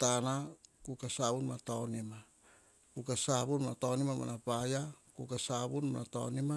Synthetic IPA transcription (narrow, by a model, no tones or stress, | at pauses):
tanakukasaβunmatonima | kukasaβunmatonimamo̰napajakukasaβunmanato̰nima